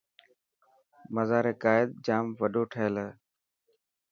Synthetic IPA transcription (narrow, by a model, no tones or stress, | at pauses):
məzaːɾeːkaːɪd̪̚d͡ʒaːmʋəɗoːʈʰəɦələ